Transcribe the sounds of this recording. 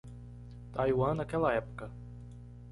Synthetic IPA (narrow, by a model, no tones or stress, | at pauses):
t̪ajwanɐkɛlɐɛpu̥kə